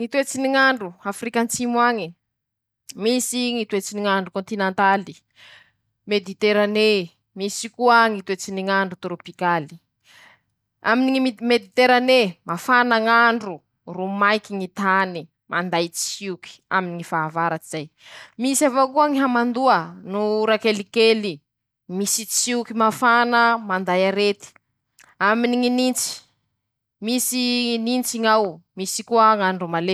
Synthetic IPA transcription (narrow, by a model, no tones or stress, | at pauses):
ŋit̪uet͡siniŋaɳɖ͡ʐuafrikant͡simwaŋi | misiŋit̪uet͡siniŋaɳɖ͡ʐukõnt̪inent̪ali | med̪it̪eɾane | misikuaŋit̪uet͡siniŋaɳɖ͡ʐut̪ɾopikali̥ | aminiiimed̪it̪eɾanemafanaŋaɳɖ͡ʐu | rumajkiŋit̪ani | mand̪ajt͡siuki̥a̰miniŋifaːvaɾat͡siz̥ajmisiavokuəŋiɦamand̪uənuɾakelikeli | misit͡siukimafanəmand̪ajaɾet̪i̥ | aminiŋinint͡si̥ | misinint͡siŋawmisikuəŋaɳɖ͡ʐumale